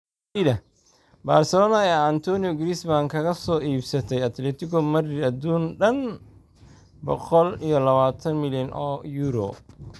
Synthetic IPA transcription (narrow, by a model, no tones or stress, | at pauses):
iðɐ | baːrsɛlɔːnaɛant̪ʰɔnijɔɡɾisbaŋkʰɐɣɐsɔːʔiːbsɐt̪ʰɛjɐt̪ʰlɛːt̪ʰɪkɔmɐrɪɐd̪uːnɖɐn | bɔqɔlijɔlɐβaːt̪ʰɐnmɪljɔnʔɔːjuːɾɔ̰